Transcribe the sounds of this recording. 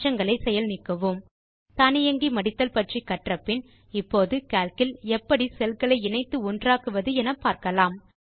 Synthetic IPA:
t͡ʃɐŋɡɐɭɐɪsɛjɐlnɪkːɐʋɯm | t̪ɐnɪjɐŋɡimɐɽɪt̪ːɐlpɐʈrikːɐʈrɐpːɪn | ɪpːoːðɯkaːlkɪlɛpːɐɽisɛlkɐɭɐɪɪnɐɪt̪ːɯʊndraːkɯʋɐðɯɛnɐpːaːɾkɐlaːm

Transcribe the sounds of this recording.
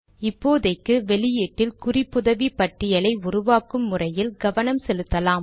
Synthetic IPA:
ɪpːoːðɐɪkːɯʋɛlɪjeːʈːɪlkʊrɪpːʊðɐʋipɐʈːɪjɐlɐɪʊrʊʋaːkɯmːʊrɐjɪlɡɐʋɐnɐmsɛlɯt̪ːɐlaːm

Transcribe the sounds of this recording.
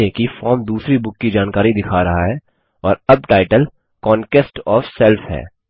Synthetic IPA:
ekifɔːɾmd̪uːsɾibʊkːid͡ʒaːnkaːɾid̪ɪkʰaɾɐɦaɦɛː | ɔːɾɐb̚ʈaːɪʈəl | kɔːnʈesʈɔːfsɛlfɦɛ̰ː

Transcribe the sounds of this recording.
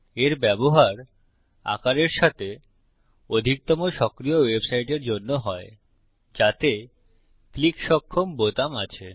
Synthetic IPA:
eɾbɛboɦaɾ | a̰kaɾeɾʃat̪e | od̪ʱik̚t̪ɔmoʃɔkɾijowebsajʈeɾd͡ʑonːoɦɔe | d͡ʑat̪e | klikʃɔkʰːombot̪amat͡ɕʰe

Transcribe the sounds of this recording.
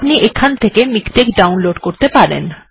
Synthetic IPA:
pniʔekʰːant̪ʰekemikʈ̪ekɖawnloɖkoɾt̪epaɾḛn

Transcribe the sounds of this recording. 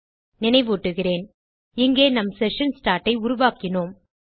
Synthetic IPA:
nɪnɐɪʋuːʈːɯɣɪreːn | ɪŋɡeːnɐmsɛʂɐnsʈaːɾʈɐɪʊɾʊʋaːkɪnoːm

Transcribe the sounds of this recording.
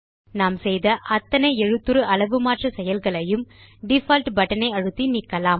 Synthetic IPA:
naːmsɛjðɐʔɐt̪ːɐnɐɪɛɻɯt̪ːɯɾɯʔɐɭɐʋɯmaːʈrɐsɛjɐlɣɐɭɐjɯmɖɪfɐːlʈʋɐʈːɐnɐɪɐɻɯt̪ːinɪkːɐlaːm

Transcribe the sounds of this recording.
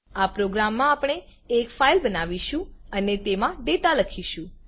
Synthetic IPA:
apɾoɡɾamːãːpɽ̃eːkfailbənaʋiʃũənet̪emãɖ̪et̪aləkʰiʃũ

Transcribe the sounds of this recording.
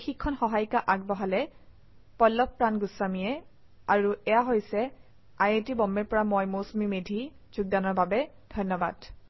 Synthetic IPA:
xikʰːɔnxɔɦajkaʔaɡ̚bɔɦalɛ | pɔlːɔppɹanɡʊsːamijɛ | aɹuʔɛjaɦojsɛ | ajetibɔmːɛɹpɔɹamojmosmimedʱi | z̥uɡ̚danɔɹbabɛ | dʱɔnːɔba̰d̥

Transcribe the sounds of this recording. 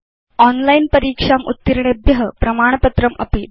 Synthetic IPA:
ɔnlainpəɾiːkʂamṵt̪ːiɾɳebjəɦəpɾɐmaːɳ̃pət̪ɾəmə̰piː

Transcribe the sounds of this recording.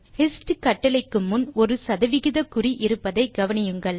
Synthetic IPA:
hɛsʈɯkɐʈːɐlɐɪkːɯmːʊnɔɾɯsɐðɐʋɪɣɪðɐkʊriʔɪɾɯpːɐðɐɪɡɐʋɐnɪjɯŋɡɐɭ

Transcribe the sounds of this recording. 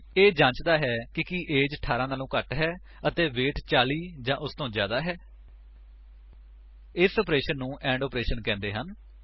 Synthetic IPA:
eːd͡ʒãːt͡ʃd̪aːɦɛːkɪkiːʔeːd͡ʒʈʰaːɾãːnaːlũːkəʈɦɛː | ət̪eːʋeːʈt͡ʃaːliːd͡ʒãːʔʊst̪õːd͡ʒja̰ːd̪aːɦɛː | ɪsɔːpɾeːʃənːũːʔɛ̃ːɳɖɔːpɾeːʃənkɛ̃ːnd̪eːɦən

